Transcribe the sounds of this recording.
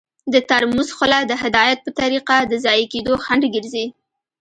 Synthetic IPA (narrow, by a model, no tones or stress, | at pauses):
d̪ət̪aɾmuzxʊlad̪əɦɪd̪ɑjat̪̚pət̪aɾiqad̪əzɑjeked̪oxaɳɖɡəɾzi